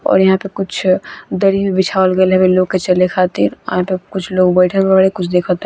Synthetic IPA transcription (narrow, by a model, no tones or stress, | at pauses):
ɔ̰ːɾjɐɦãpekʊt͡ʃʰd̪əɾibibɪt͡ʃʰaːəlɡelɦɛbeloːɡ̚ket͡ʃəlekʰaːt̪ḭɾɦãpekʊt͡ʃʰloːɡbəɪʈʰəlbaɽekʊt͡ʃʰd̪eːkʰɔt̪